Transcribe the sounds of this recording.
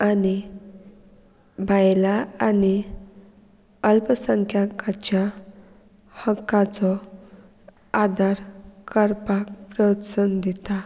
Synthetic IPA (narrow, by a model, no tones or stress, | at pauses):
ani | bʱajlaani | əlpəsəŋkʰjakat͡ɕja | həkːat͡sɔ | ad̪aɾkəɾpakpɾət̪sənd̪it̪a